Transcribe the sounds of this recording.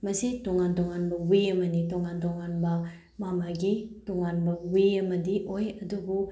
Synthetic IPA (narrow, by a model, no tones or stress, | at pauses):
mɐsetoŋantɔŋanbɐwiɐmɐnitɔŋantɔŋanbɐ | mamaɡitɔŋanbɐwiɐmɐdiʔojɐdubu